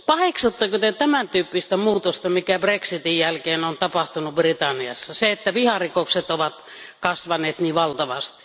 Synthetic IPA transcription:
pɑheksut̪ːɑkot̪et̪æmænt̪yːpːist̪æmuːt̪ost̪ɑmikæbreksit̪ijjælkeːnont̪ɑpɑht̪unubrit̪ɑnːiɑ̰sːɑseet̪ːæʋihɑrikokset̪oʋɑt̪ | kɑsʋɑneːt̪niːʋɑlt̪ɑʋɑst̪i̥

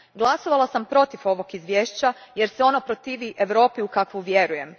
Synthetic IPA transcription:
ɡlˠaso̞ʋalˠasampɾo̞t̪ifo̞ʋo̞kizʋjeːʃt͡ɕaje̞ɾseo̞nopɾo̞t̪iːʋiʔe̞ʋɾo̞ːpiukakʋuʋje̞ɾuje̞m

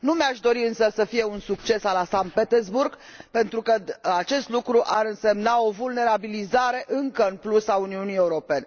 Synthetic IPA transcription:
numeaʃd̪o̞ɾiɨnsəsəfije̞unsukt͡ʃe̞salasant̪̚pet̪erzburɡ | pe̞nt̪ɾukəat͡ʃe̞st̪lukɾuʔaɾɨnse̞mnao̞vulne̞ɾabilizaɾe̞ʔɨŋkəɨnplusauniunije̞uɾo̞pe̞ne̞

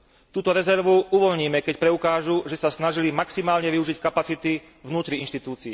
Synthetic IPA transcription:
t̪uːt̪ɔɾɛzɛɾʋuuʋɔʎɲiːmɛkɛcpɾɛukaːʒuʒɛsasnaʒilimaksimaːlɲɛʋiuʒickapat͡sit̪i | vnuːt̪ɾiinʃt̪it̪uːt͡sii

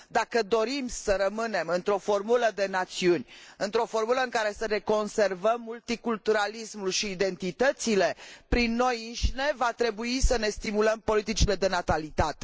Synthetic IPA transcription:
d̪akəd̪o̞ɾimsəɾəmɨne̞mɨnt̪ɾo̞fo̞rmuləd̪e̞nat̪siunʲɨnt̪ɾo̞fo̞rmuləɨŋkaɾe̞səneko̞nse̞rvəmːult̪ikult̪uɾalismulʃiːd̪e̞nt̪it̪ət̪sile̞pɾinːo̞jinʃine̞vat̪ɾe̞buisəne̞st̪imuləmpo̞lit̪it͡ʃile̞d̪e̞nat̪alit̪at̪e̥

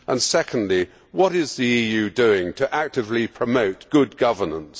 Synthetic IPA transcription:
ʔə̃nsɛkʰə̃n̩dˡli | wʌɾɪzðiijʉdʉɪ̃ŋtʰɨʔæk̚tɨvlipʰɹ̥əmoʊt̚ɡ̥ʊd̚ɡʌvə˞nə̃ns

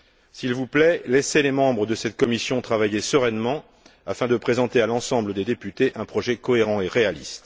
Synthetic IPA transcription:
silvuplɛlɛselemɑ̃bʁəd̪əsɛt̪kɔmisjɔ̃t̪χavajesəʁɛnmɑ̃ | afɛ̃d̪əpχezɑ̃t̪ealɑ̃sɑ̃bləd̪ed̪epyt̪eʔɛ̃pχɔʒɛkɔeʁɑ̃eʁealḭst̪

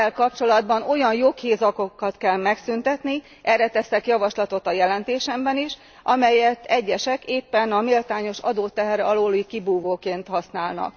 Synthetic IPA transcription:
ɛlkɒpt͡ʃo̞lɒd̪bɒno̞jɒnjo̞kheːzɒkokːɒt̪kɛlmɛksynt̪ɛt̪ni | ʔɛrɛt̪ɛsɛkjɒvɒʃlɒt̪o̞t̪ɒjɛlɛnt̪eːʃɛmbɛniʃ | ʔɒmɛjɛt̪ːɛɟːɛʃɛkeːpːɛnɒmilt̪aːɲo̞ʃɒ̰d̪oːt̪ːɛɦɛrɛɒloːlikibuːvoːkeːnt̪hɒsnaːlnɒ̰k

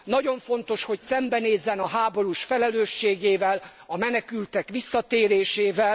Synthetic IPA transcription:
nɒɟo̞ɱfo̞nt̪o̞ʃho̞csɛmbɛneːzːɛnɒɦaːbo̞ɾuʃfɛlɛløːʃːeːɡeːvɛlɒmɛnɛkylt̪ɛkʋisːɒt̪eːɾeːʃeːvɛl

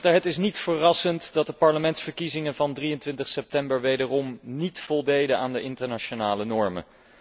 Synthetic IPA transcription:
təɹɦətɪsnitfərɑsəntdɑt̚dəpɑɹləmɛntsfəɹkizɪŋənvɑndrijəntʋɪntəχsɛp̚tɛmbəɹʋejdərɔmnitfɔlˠdejdəaːndəʔɪntəɹnat͡ʃonaːlənɔɹmə̰

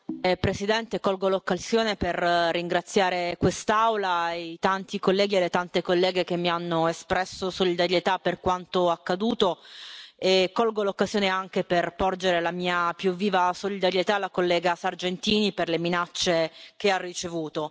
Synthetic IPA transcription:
pɾesid̪ɛnt̪ekɔlɡolokːazjoːneperːiŋɡɾat̪sːjaːɾekwest̪aawlajt̪ant̪ikolːɛːɡielːet̪ant̪ekolːɛːɡek̟emːianːoespɾɛsosolid̪aɾjet̪apːerkwant̪oakːad̪uːt̪o | ekːɔlɡolokːazjoːneaŋkeperpɔrd͡ʒeɾelamiːapjuvːiːvasolid̪aɾjet̪alːakolːɛːɡasard͡ʒent̪iːniperleminat͡ʃːek̟earːit͡ʃevuːt̪o

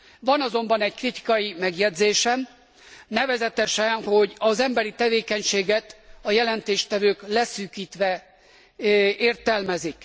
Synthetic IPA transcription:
vɒnɒzo̞mbɒnɛɟkrit̪i̥kɒjimɛɡjɛd̪zeːʃɛm | nɛvɛzɛt̪ɛʃɛnho̞ɟɒzɛmbɛɾit̪ɛveːkɛɲʃeːɡɛt̪ɒjɛlɛnt̪eːʃt̪ɛvøːklɛsyːkiːt̪ʋɛ | eːrt̪ɛlmɛzik

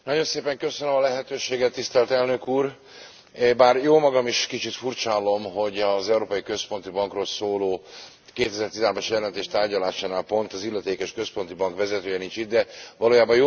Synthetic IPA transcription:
nɒɟo̞nseːpɛŋkø̞sønømɒlɛɦɛt̪øːʃeːɡɛt̪ːist̪ɛlt̪ɛlnø̞kuːr | baːrjoːmɒɡɒmiʃkit͡ʃit̪furt͡ʃaːlo̞mɦo̞ɟɒzɛuɾoːpɒjikø̞spo̞nt̪ibɒŋkroːlsoːloː | keːt̪ɛzɛrt̪izaːrbaʃjɛlɛnt̪eːʃt̪aːrɟɒlaːʃaːnaːlpo̞nt̪ɒzilːɛt̪eːkɛʃkø̞spo̞nt̪ibɒŋkʋɛzɛt̪øːjɛnint͡ʃit̪̚d̪ɛvɒloːjaːbɒjo

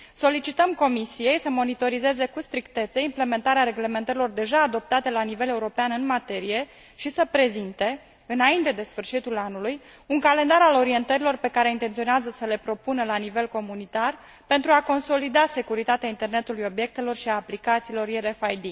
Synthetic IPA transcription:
so̞lit͡ʃit̪əmko̞misije̞jsəmo̞nit̪o̞ɾize̞ze̞kust̪ɾikt̪e̞t̪səimple̞me̞nt̪aɾeaɾe̞ɡle̞me̞nt̪əɾilo̞rd̪e̞ʒaːd̪o̞p̚t̪at̪e̞lanive̞le̞uɾo̞peanɨnmat̪e̞ɾije̞ | ʃisəpɾe̞zint̪e̞ | ɨnaint̪e̞d̪e̞sfɨrʃit̪ulanuluj | uŋkale̞nd̪aɾalo̞ɾie̞nt̪əɾilo̞rpe̞kaɾe̞int̪ent̪sio̞neazəsəle̞pɾo̞punəlanive̞lko̞munit̪ar | pe̞nt̪ɾuako̞nso̞lid̪ase̞kuɾit̪at̪eaint̪e̞rne̞t̪ulujo̞bje̞k̚t̪e̞lo̞rʃiaːplikat̪siːlo̞rjeɾefajd̪i

